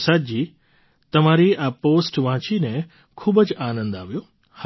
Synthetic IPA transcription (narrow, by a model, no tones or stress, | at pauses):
sad͡ʒiː | t̪əmaɾiʔapoːsʈʋãːt͡ʃine | kʰuːbəd͡ʒaːnə̃nd̪aːʋjo | h